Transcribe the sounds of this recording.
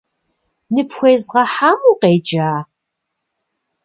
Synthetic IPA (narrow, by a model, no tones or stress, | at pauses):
nɨpxʷejzʁɐħaːmuːqeːd͡ʒaː